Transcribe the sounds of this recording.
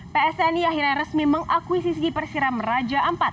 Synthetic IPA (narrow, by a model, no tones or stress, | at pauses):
peɛsɛniaɦiɾɲaɾəsmiməŋakuwisis̬ipərsiɾamərad͡ʒaʔəmpat̪̚